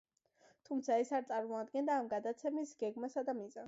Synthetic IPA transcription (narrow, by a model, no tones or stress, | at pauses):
t̪ʰumt̪sʰaɛsaɾt̪sʼaɾmɔad̪̚ɡɛnd̪aːmɡad̪at̪sʰɛmisɡɛɡmasad̪amiza